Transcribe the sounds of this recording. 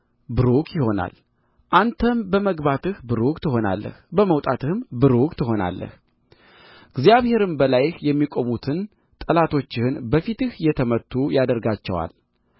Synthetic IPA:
bɨɾukʰjɪho̞na̰l | ʔant̪ʰəmbəməɡbat̪ɨhbɨɾukʼt̪ʰɨɦo̞na̰lːə̰hbəməwt̪ʼat̪ɨhɨmbɨɾukt̪ʰɨɦo̞na̰lːə̰h | ɪɡzjaβhe̞ɾɨmbəlajɪhjɛmːikʼo̞mut̪ʰɨn | t̪ʼəlat̪ʰo̞t͡ʃːɪhɨnbəfit̪ɨhjɛt̪ʰəmət̪ʰːujad̪əɾɡat͡ʃːɛ̰wa̰l

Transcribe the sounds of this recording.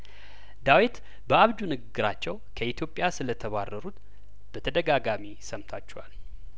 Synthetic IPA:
d̪awit̪ | bəaβd͡ʒunɨɡɨɡɨɾat͡ʃːɛwkʰəit̪ʰjo̞pʼːjasɨlət̪ʰəβarːəɾut̪ | b̥ət̪ʰəd̪əɡaɡamisəmt̪ʰat͡ʃːɛwal

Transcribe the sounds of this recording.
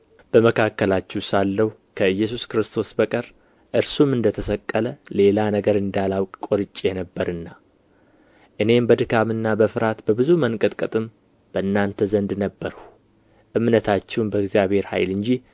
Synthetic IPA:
b̥əməkʰakːəlat͡ʃːɛwsalːəhu | kʰəɨjːɛs̬uskɾɨst̪ʰo̞sbəkʼəɾ | ʔɨɾsumɨnd̪ət̪ʰəsəkʼːələle̞lanəɡəɾɨnd̪alawkʼkʼoɾɨt͡ʃʼːenəbːəɾɨnːa | ʔɨne̞mbəd̪ɨkʰamɨnːabəfɨɾat̪bəbɨzumənkʼət̪ʼkʼɨt̪ʼɨm | b̥əɨnːant̪ʰəzənd̪nəbːəɾu̥ | ʔɨmnət̪ʰat͡ʃːɛwnbəɡzjaβhe̞ɾha̰jlɨɲd͡ʒi

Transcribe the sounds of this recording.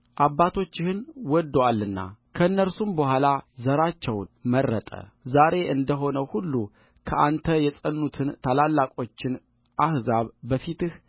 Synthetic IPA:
ʔaβːat̪ʰo̞t͡ʃːɪhɨnwɔd̪ːwalːɨnːa̰kʰəɨnːəɾsumbəhʷalazəɾat͡ʃːɛwnmərːət̪ʼə̰zaɾe̞ʔɨnd̪əɦo̞nəwhulːu | kʰəʔant̪ʰəjɛsʼənːut̪ʰɨnt̪ʰalalːakʼo̞t͡ʃːɪn | ʔahzaβbəfit̪ɨh

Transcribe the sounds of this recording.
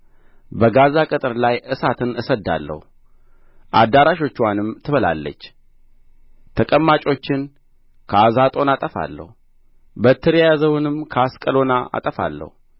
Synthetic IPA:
bəɡazakʼɨt̪ʼɨɾlajʔɨsat̪ʰɨnɨsəd̪ːa̰lːə̰hu | ʔa̰d̪aɾaʃo̞t͡ʃːwanɨmt̪ʰɨβəla̰lːə̰t͡ʃː | t̪ʰəkʼəmːat͡ʃʼo̞t͡ʃːɪn | kʰəazat̪ʼo̞nat̪ʼəfa̰lːə̰hu | bət̪ʰːɨɾjajazəwɨnɨmkʰəaskʼəlo̞naa̰t̪ʼəfa̰lːə̰hu

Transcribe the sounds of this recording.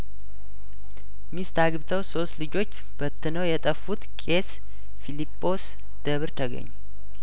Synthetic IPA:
mist̪ʰaɡɨβt̪ʰəwso̞st̪lɨd͡ʒo̞t͡ʃː | b̥ət̪ʰːɨnəwjɛt̪ʼəfːut̪kʼe̞s | filipʼːo̞s | d̪̥əβɾt̪ʰəɡə̰ɲː

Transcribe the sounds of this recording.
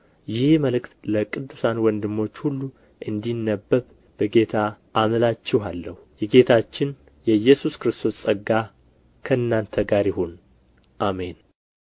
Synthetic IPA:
jɪhməlɨkt̪ləkʼɨd̪ːusanwɔnd̪ɨmːo̞t͡ʃːhulːu | ʔɨnd̪inːəbːəβ | b̥əɡe̞t̪ʰaʔːməlat͡ʃːɛhalːəhujɛɡe̞t̪ʰat͡ʃːɪn | jɛjːɛsuskɾɨst̪ʰo̞sʼəɡa | kʰəɨnːant̪ʰəɡaɾjɪho̞n | ʔame̞n

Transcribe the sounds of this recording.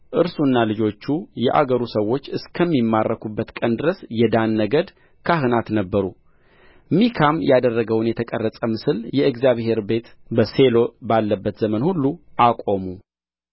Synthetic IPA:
ʔɨɾsunːalɨd͡ʒo̞t͡ʃːujɛʔa̰ɡəɾusəwːo̞t͡ʃːɨskʰəmːimːarːəkʰubːət̪kʼənd̪ɨɾəsjɛd̪anːəɡəd̪ | kʰahɨnat̪nəbːəɾu | mikʰamjad̪ərːəɡəwnjɛt̪ʰəkʼərːəsʼəmɨsɨljɛɨɡzijaβhe̞ɾbe̞t̪bəse̞lo̞balːəbːət̪zəmənhulːuʔakʼo̞mu

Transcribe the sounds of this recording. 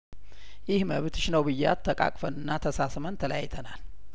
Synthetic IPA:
jɪhməβɨt̪ʰɨʃnəwbɨjːa̰t̪ʰːəkʼa̰kʼfənɨnːat̪ʰəsasmənt̪ʰələja̰jt̪ʰənal

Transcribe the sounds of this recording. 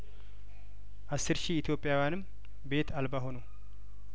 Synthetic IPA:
ʔasːɨɾʃiːt̪ʰjo̞pʼːjawjanɨm | be̞t̪ʰalbaɦo̞no

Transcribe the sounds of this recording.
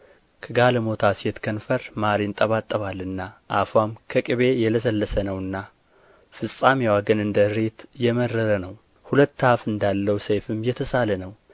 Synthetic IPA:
kʰəɡaləmo̞t̪ʰaset̪kʰənfəɾmaɾint̪ʼəβat̪ʼːəβalːɨnːaʔafwamkʰəkʼɨβe̞jɛləsəlːəsənəwɨnːa | fɨsʼamjewaɡənɨnd̪əɨɾet̪jɛməɾəɾənəw | hulət̪ːafɨnd̪alːəwsejfɨmjɛt̪ʰəsalənəw

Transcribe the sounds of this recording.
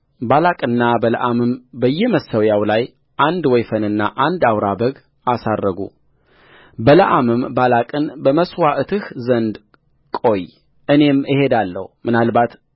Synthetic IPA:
balakʼɨnːabələ̰ʔamɨmbəjːɛməsəwjawlaj | ʔand̪wɔjfənɨnːa̰ʔand̪awɾabəɡ | asarːəɡṵ | bələʔamɨmbalakʼɨnbəməswaʔɨt̪ʰɨhzənd̪ | kʼo̞j | ʔɨne̞məhe̞d̪alːə̰humɨnalbat̪

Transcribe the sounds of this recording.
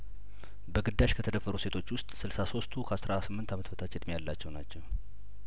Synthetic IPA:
bəɡɨd̪ːaʃkʰət̪ʰəd̪əfːəɾuse̞t̪ʰo̞t͡ʃːwʊst̪ʼsɨlsaso̞st̪ʰukʰəasɾasɨmːɨnt̪ʰamət̪ʰəbət̪ʰat͡ʃːjɛd̪mijalːat͡ʃːɛwnat͡ʃːɛwɛ

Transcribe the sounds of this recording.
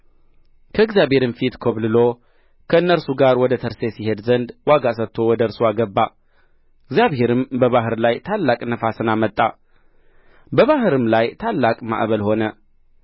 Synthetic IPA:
kʰəɨɡzjaβhe̞ɾɨmfit̪kʰoβlɨlo̞ | kʰəɨnːəɾsuɡaɾwɔd̪ət̪ʰəɾse̞sihe̞d̪zənd̪waɡas̬ət̪ʰːo̞wɔd̪əɨɾsuaɡəbːa | ɨɡzjaβhe̞ɾɨmbəβaɦɨɾlajt̪ʰalːakʼnəfasɨnamət̪ʼːa̰ | bəβaɦɨɾɨmlajt̪ʰalːakʼma̰ʔβəlho̞nə

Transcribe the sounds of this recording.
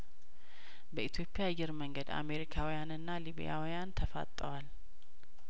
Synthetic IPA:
bəit̪ʰjo̞pʼɪjajɪɾməŋɡəd̪a̰me̞ɾikʰawijanɨnːaliβḭja̰wijant̪ʰəfa̰t̪ʼːəwal

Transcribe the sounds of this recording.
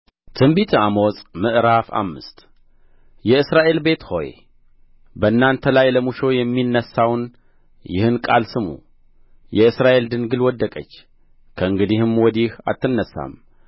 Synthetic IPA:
t̪ʰɨmbit̪ʰamosʼmɨʔɾafa̰mːɨst̪ | jɛɨsɾaʔe̞lbe̞t̪ho̞̰jḛ | bəɨnːant̪ʰəlajləmuʃo̞jɛmːinːəsːawn | jɪ̰hɨnkʼalsɨmṵ | jɛɨsɾaʔe̞ld̪ɨnɡɨlwɔd̪ːəkʼət͡ʃː | kʰəɨŋɡɨd̪ihɨmwɔd̪iha̰t̪ʰːɨnːəsːa̰m

